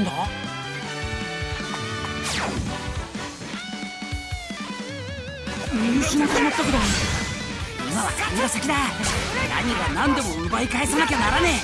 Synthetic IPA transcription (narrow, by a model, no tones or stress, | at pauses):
nd̪o | iɲʲiɕimak̪ɯnat̪ːokɯd̪o | imaβakʰaɲʲiɾasakʲid̪ana̰ɲ̟iβanãnd̪e̞mo̞ɯbaikaesanakʲed̪anaɾane